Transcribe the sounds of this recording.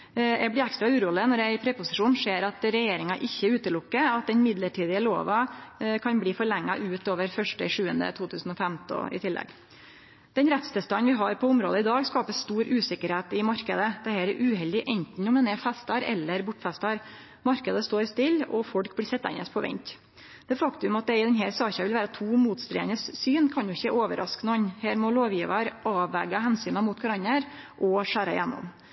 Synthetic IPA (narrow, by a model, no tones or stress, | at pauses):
ɛ̰blɪɾækst̪ɾɑʉːɾuːlɪnɔɾæɪpʰɾɛpʊsɪʂuːnʂeːɾɑt̪ɾɛjeːɾɪŋɑʔɪçːəʉːt̪əlʊkːəɑt̪̚d̪ɛnmɪd̪ləʈʰiːd̪ɪəlo̰ːʋɑkʰɑnbliːfɔɭɛŋːɑʔʉːt̪oːʋəɾfœʂʈəʂʉːənd̪ə̰t̪ʰuːt̪ʰʉːsn̩ɔfɛmt̪ɔ̰ɪ̰t̪ʰɪlːʔɛ̰ɡ | d̪̥ɛnɾɛt̪st̪ʰəst̪ɑnʋɪɦɑɾpʰɔʊmɾoːd̪əɪd̪ɑːɡskɑːpəst̪uːɾʉːsɪkːəɾheːt̪ɪmɑɾkəd̪əd̪̥ɛhɛːɾɛʔʉːhɛld̪ɪʔɛnt̪n̩ɔmɛnɛfɛst̪ɑɾɛ̰lːəɾbʊʈːfɛst̪ɑɾ | mɑɾkəd̪əst̪oːɾst̪ɪlɔfɔɽkblɪsɛt̪ːɑɪ̰nɛspʰɔʋɛ̰ɲt̪ | d̪̥ɛːfɑkt̪ʉmɑt̪̚d̪ɛɪd̪ɛnɦæːɾsɑːçɑʋɪlʋæːɾət̪ʰuːmuːt̪st̪ɾḛːənəsːyːnkʰɑnjʊɪçəɛʔoːʋəɾʔɑsknɔɲheːɾmɔloːʋjiːʋəɾɑːʋːɛɡɑɦɛnsyːnɑmuːt̪ɡɑɾɑɲːəɾ | ʔɔʂæːɾɑjɛnːɔ̰m